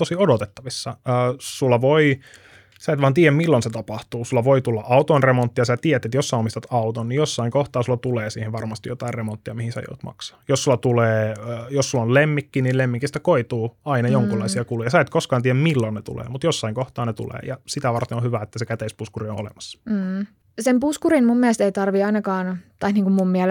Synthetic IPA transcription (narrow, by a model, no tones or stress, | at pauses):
t̪osiodot̪et̪ːɑʋisːɑøːsulːɑʋoi | sɑit̪ʋɑːnt̪iːjæmilːonset̪ɑpɑht̪uːsulːɑʋoit̪ulːɑʔɑut̪oinremont̪ːijɑsæt̪iːæet̪et̪josːɑiomist̪ɑt̪ɑut̪onnijosːɑiŋkoht̪ɑːsulːɑt̪uleːsiːheʋɑrmɑst̪ijjot̪ɑirremont̪ːiɑmihisæ̰jo̰ut̪mɑ̰ksɑ̥ːjossulːɑt̪uleːjossulːollemːikːinillemːiŋkːist̪æ̥koit̪uːɑinɑjoŋkulːɑisiɑkulujɑsɑet̪koskɑːnt̪iːæmmilːonnet̪ṵlḛːmut̪josːɑiŋkoht̪ɑːnet̪ṵlḛːjɑsit̪æʋɑrt̪enohyʋæet̪ːæsekæt̪eispuskuriõo̰lḛmɑsːɑ̥m̩ː | sempuskuɾinmumːiæst̪eit̪ɑrʋiɑinɑkɑːnt̪ɑiniːŋkummummiæl